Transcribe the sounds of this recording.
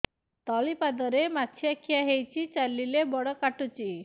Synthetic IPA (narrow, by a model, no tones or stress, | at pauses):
t̪ɔlipad̪ɔɾemat͡ʃʰiakʰijaɦejt͡ʃʰit͡ʃalːilebɔɽɔkaʈut͡ʃi